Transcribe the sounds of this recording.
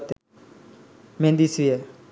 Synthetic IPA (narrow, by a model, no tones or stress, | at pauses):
t̪ | mẽnd̪isije